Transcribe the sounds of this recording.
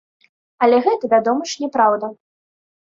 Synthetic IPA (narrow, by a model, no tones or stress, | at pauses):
ɐlʲɛɣɛt̪ɐvʲad̪ɔmɐʂnʲɛpɾawd̪ɐ